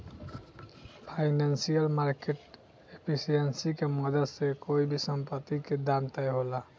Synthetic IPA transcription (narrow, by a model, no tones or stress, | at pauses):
pʰaɪnansijəlmaɾkeʈ | epʰisijensikemɔd̪əsekoibʱisəmpət̪ːiked̪amt̪əjɦola